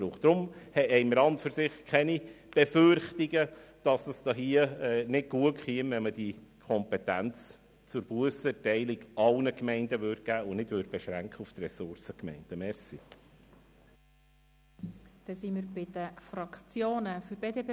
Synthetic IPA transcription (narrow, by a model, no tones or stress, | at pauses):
ɾuχd̥̪ɾʊmhɛɛɪmɾɑndføɾsɪχkʰɛni | b̥ɛførχtiɡəd̥ɑsdɑsd̥ɑɦiəɛnɪd̚ɡuəkχiəmʋɛməd̥ikʰɔmpɛt̪ænt͡s | t͡sʊɾb̥uəsɛtɛɪliɡɑlnəkmɛɪndəʋøːrd̚ɡ̥æːʊnɪdʋøːɾd̚b̥ɛʃɾæŋkχəuft̪rɛsʊɾsəkmɛ̰ɪnd̥əmɛɾsi | d̪̥ɛsimɪɾbɪd̥̪əfɾɑkt͡sjoːnəfyɾbeːd̪epː